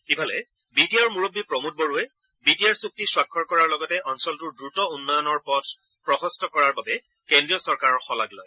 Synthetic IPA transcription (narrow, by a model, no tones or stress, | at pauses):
kibʰʱalɛ̰ | bitijaɹmuɹobːipɹɔmut̚boɹuɛ | bitijaɹsuk̚tiswakʰːɔɹkɔɹaɹlɔɡɔtɛʔɔnsɔltʊɹdɹutɔunːɔjɔnɔɹpɔtʰ | pɹɔxɔstɔkɔɹaɹbabɛ | kendɹijɔsɔɹkaɹɔɹxɔlaɡlɔ̰j